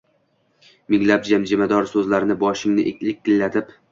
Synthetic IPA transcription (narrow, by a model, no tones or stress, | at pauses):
mɪŋlap̚d͡ʒamd͡ʒɪmad̪ɒɾsɵzlaɾɪnɪbɒʃɪŋnɪʔekʲlɪk̚ʲt̪ɪlːat̪ʰɪp